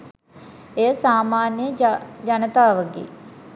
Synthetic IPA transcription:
ejəsaːmaːnijəd͡ʒanət̪aːʋəɡḛː

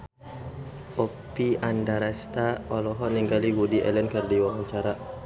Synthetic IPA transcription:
ʔɔ | piandaɾast̪aɔlɔɦɔniŋɡaliwudiʔɛ̰lɛnkərdiwaŋaɲt͡ʃaɾa

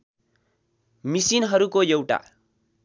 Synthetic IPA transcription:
misinɦʌɾukojewʈa̰

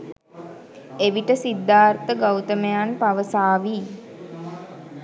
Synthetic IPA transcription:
eʋiʈəsid̪ːaːrt̪əɡawt̪əməjanpaʋəsaːʋiː

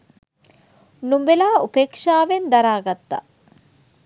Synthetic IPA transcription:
numbelaːupeːkʂaːʋend̪aɾaːɡat̪ːa̰

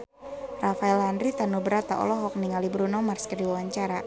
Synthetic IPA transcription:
rafaɛlɦandɾit̪anubəɾat̪a̰ʔɔ̰lɔɦɔk̚niŋalibɾunɔmarskədiwawaɲt͡ʃaɾa

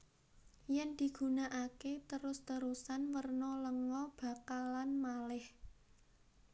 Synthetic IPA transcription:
jɛnd̪̥i̤ɡ̥ṳnaʔaket̪əɾʊst̪əɾusanwərnɔləŋɔb̥ä̤kalanmalɪh

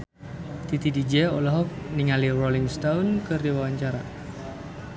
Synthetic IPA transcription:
t̪it̪idid͡ʒɛolɔɦɔk̚niŋaliroliŋst̪aunkɨrdiwawaɲt͡ʃaɾa̰

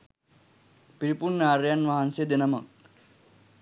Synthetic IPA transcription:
piɾipurnaːɾjanʋaɦansed̪enɐmɐ̰k

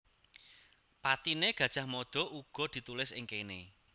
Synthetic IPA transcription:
pat̪ineɡ̥a̤̥ʒ̥a̤hmɔd̪̥ɔ̤ʔuɡ̥ɔ̤d̪̥i̤t̪ulɪsɪ̰ŋkene

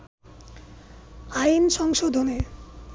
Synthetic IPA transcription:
ajnʃɔŋʃod̪ʱone

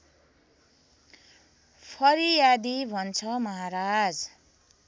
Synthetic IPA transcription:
pʰʌɾijad̪ibʱʌnt͡sʰʌmʌɦaɾad͡z

